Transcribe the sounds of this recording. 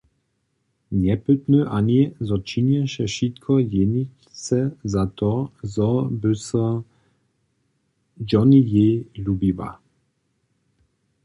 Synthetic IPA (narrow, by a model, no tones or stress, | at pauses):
ɲɛpɨt̪nøʔaɲizɔt͡ʃiɲɛʃɛʃit̪kʰɔjenic | sɛzat̪ɔzɔbɘsɔ | d͡ʒɔnijelubiva̰